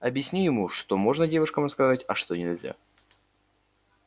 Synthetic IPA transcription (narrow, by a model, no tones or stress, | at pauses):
ɐbʲjɪsʲnʲijɪmuʂt̪omo̞ʐnədʲe̞vʊʂkəmskɐzatʲɐʂt̪onʲɪlʲzʲa̰